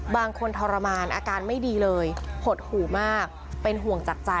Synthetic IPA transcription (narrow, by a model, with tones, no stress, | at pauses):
baː˧ŋkʰo˧nt̪ʰɔː˧ɾa˧maː˧nʔaː˧kaː˧nma˥˩jdiː˧lɤː˧jpʰo˨˩t̪̚huː˨˩˦maː˥˩k̚ | pe˧nɦu˨˩əŋt͡ɕaː˨˩k̚t͡ɕa˧